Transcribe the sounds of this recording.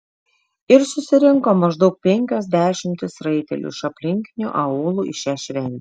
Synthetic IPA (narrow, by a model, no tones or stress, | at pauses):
ɪɾsʊsʲɪɾʲɪŋkoːmɐʒd̪ɒʊk̚pʲɛŋʲkʲoːzʲd̪ʲæːʃʲɪmʲt̪ʲɪsɾɐɪt̪ʲɛ̰lʲṵɪʃɐpʲlʲɪŋʲkʲɪnʲṵʔɐoːlˠuːʔɪʃʲæʃʲʋʲɛnʲ